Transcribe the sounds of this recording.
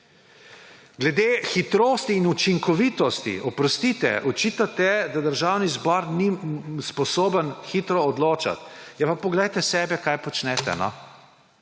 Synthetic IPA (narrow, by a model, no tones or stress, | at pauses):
ɡlɛd̪eːxit̪ɾoːst̪iːnut͡ʃiŋkɔʋiːt̪ɔst̪ḭʔɔpɾɔst̪iːt̪ɛ̰ʔɔt͡ʃit̪at̪ɛd̪ad̪əɾʒawnizbɔɾnispɔsoːbənxit̪ɾɔːd̪loːt͡ʃa̰t̪jɛpapɔɡlɛjt̪ɛsɛːbɛkajpɔt͡ʃnɛːt̪ɛ̰nɔ̰